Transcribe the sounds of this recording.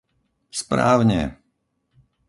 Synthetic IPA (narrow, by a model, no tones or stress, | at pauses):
spɾa̰ːwɲɛ̰